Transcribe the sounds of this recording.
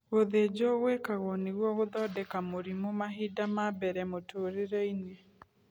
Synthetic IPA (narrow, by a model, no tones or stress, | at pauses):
ɣoðed͡ʒɔɣwekaɣɔneɣwɔɣoðɔdɛkamoɾimomaɦidamabɛɾɛmotoɾeɾɛine